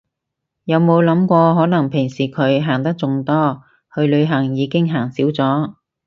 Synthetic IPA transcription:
jɐ˨˧wmo˨˧wlɐ˨˥mkʷɔː˧ɦɔː˨˥nɐ˨˩ŋpʰɪ˨˩ŋsiː˨˩kʰɵ˨˧ɥɦaː˨˩ŋt̪ɐ˥k̚t͡sʊ˧ŋt̪ɔː˥ | hʰɵ˨˧ɥlɵ˨˧ɥɦɐ˨˩ŋjiː˨˧kɪ˥ŋɦaː˨˩ŋsiː˨˥wt͡sɔː˨˥

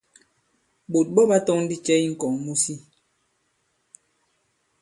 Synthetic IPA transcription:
ɓo˨t̚ɓɔ˦ɓa˦tɔ˦ŋn̩˦di˦t͡ʃɛ˦i˦ŋ̩˨kɔ˨ŋmu˦si˦

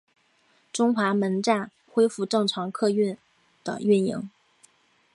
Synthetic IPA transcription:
ʈ͡ʂʊ˥ŋxwa˧˥mə˧˥nʈ͡ʂa˥˩n | xwe˥ɪfu˥˧ʈ͡ʂɤ˥˩ŋʈ͡ʂʰɑ˧˥ŋkʰɤ˥˧ɥy˥˩n | d̪̥ə̰˩ɥy˥˩njḭ˧˥ŋ

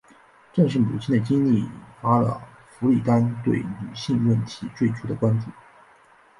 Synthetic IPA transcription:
ʈ͡ʂɤ˥˧ŋʂ̬ɻ̩˥˩mu˨˩t͡ɕʰi˥˩nd̪ə˩t͡ɕi˥ŋli˥˩˨fa˥lə̰˧ | fu˧˥li˨˩t̪a˥nt̪we˥˩ɪny˨˩ɕi˥˧nwə˥˩nt̪ʰi˧˥t͡swe˥˩ɪʈ͡ʂʰu˥d̪ə˨kwa˥nt̪i˨˩˦

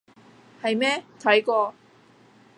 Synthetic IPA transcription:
hɐ˨jmɛː˥t̪ʰɐ˨˥jkɔː˧

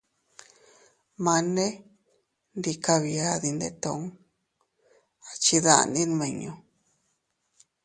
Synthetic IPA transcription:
mã˧nẽ˦ | nɾi˧ka˧βi˧a˧ði˧nd̪e˧t̪o˧˨˦ŋ | a˨t͡ʃi˧ða̰˧˨˧nĩ˦nmẽ˧˨ɲõ˧

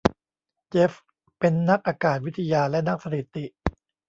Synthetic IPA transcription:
t͡ɕeː˦˥f | pe˧nːa˦˥k̚ʔaː˧kaː˨˩t̪̚wi˦˥t̪ʰːa˧jaː˧lɛ˦˥na˦˥k̚sa˧t̪ʰi˨˩t̪i˨˩ʔ

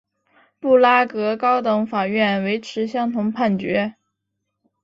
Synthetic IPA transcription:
pu˥˩la˥kɤ˧˥kɑ˥ʊt̪ɤ˧˥ŋfa˨˩ɥɛ˥˩nwe˧˥ɪʈ͡ʂʰɻ̩˧˥ɕjɑ˥ŋt̪ʰʊ˧˥ŋpʰa˥˩nt͡ɕɥɛ̰˧˥

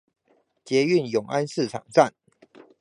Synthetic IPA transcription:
t͡ɕjɛ˨˦y˥˨njʊ˨˩ŋa˦nsɹ̩˥˨ʈ͡ʂʰɑ̰˨˩ŋt͡sa˥˨n

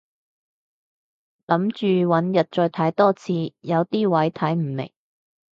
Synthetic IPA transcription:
lɐ˨˥mt͡ʃyː˨wɐ˨˥njɐ˨t̚t͡ʃɔː˧jt̪ʰaː˨˥jt̪ɔː˥t͡sʰiː˧jɐ˨˧wt̪iː˥wɐ˨˥jt̪ʰɐ˨˥jm̩˨˩mɪ̰˨˩ŋ

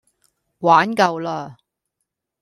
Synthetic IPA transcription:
waː˨˥nkɐ˧wlaː˧

